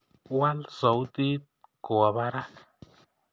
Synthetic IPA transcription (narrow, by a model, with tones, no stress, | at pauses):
wa˦lzo˨˦wd̪i˦t̪̚ko˨a˨ba˦ɾa˦k